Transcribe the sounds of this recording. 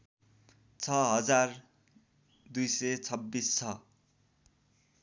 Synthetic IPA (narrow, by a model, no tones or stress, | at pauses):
t͡sʰʌɦʌd͡zar | d̪ujsʌjt͡sʰʌbːist͡sʰʌ